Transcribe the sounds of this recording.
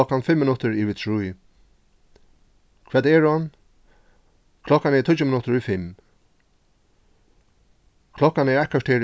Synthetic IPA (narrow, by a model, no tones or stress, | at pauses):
ɔkːanfɪmːɪnʊt̪əɹiʋɪt̪ʰɹuj | kʰvɛːd̪ɛːɹɔn | kʰlɔkːanɛt̪ʰʊt͡ʃːʊmɪnʊt̪əɹʊjfɪm | kʰlɔkːanɛɹɛhkaʂt̪ʰeːɾ